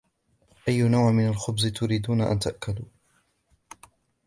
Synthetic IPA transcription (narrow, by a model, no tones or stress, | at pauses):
ʔajːʊnawʕmɪnalxʊbzɪt̪ʊɾiːd̪uːnaʔa̰nt̪aʔkad̪uː